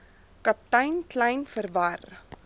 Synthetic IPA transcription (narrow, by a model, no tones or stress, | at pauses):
kɐp̚tɐjnklɐjnfərvɐr